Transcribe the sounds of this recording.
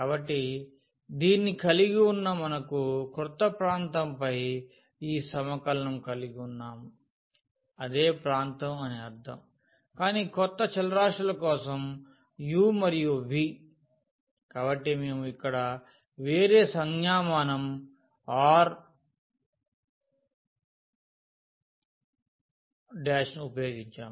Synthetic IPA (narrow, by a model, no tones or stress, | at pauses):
kaːbɐʈːi | d̪iːnːikɐliɡiunːɐmɐnɐkukɾut̪ːɐpɾaːnt̪ɐmpɐj | iːsɐmɐkɐlɐnɐmkɐliɡiunːaːm | ɐd̪e̞ːpɾaːnt̪ɐmɐneɐɾd̪ʰʱɐ̰m | kaːniːkɔt̪ːɐt͡ʃɐlɐɾaːʂʈːɐlɐkɔːsɐm | juːmɐɾijubʱi | kaːbɐʈːimeːmuikːɐɽɐ | ʋeːɾe̞ːsɐŋɡjaːmaːnɐm | aːɾ | ɖjaːʂnuupɐjoːɡiɲt͡ʃa̰ːm